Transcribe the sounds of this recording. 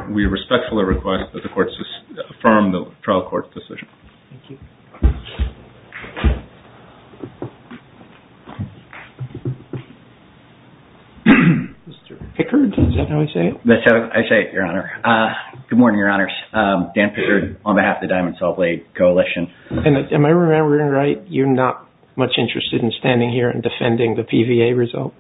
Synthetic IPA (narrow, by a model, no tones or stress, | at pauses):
wiɹɨspɛk̚tfl̩ˠiɹɨkʰw̥ɛst̪̚ðɨt̪̚ðɨkʰɔɹtsɨsəfɜ̃˞mðətʰɹ̥aɪlˠkʰɔ̰ɹtsd̥ɨsɪ̰ʒ̥̃n̩θæ̃ŋkjʉ | mɪstə˞pʰɪkʰə˞dʌzɨi̥seɪɨt̚ðɨsaa̰ɪseɪɨʔə̰˞ɑnə˞ʌɡ̥ʊd̚mɔɹnɪ̃ŋjə˞ɑnə˞z̥d̥æ̃npʰɪkə˞dənbɨhæfðɨdãɪ̃mn̩sɔlˠpʰl̥eɪd̚kʰoʊəlɪʃɨ̃nɨ̃nɨ̃maɪɹɨmɛ̃mbə˞ɪ̃ŋɹaɪt̚jə˞nət̚ | mʌt͡ʃɪ̃nt͡ʃɹ̥ɨstɨɾ̃n̩stæ̃ndɪ̃ŋhiɹɨ̰̃ndɨfɛ̃ndɪ̃ŋðɨpʰivieɪɹɨzʌ̰lˠt̚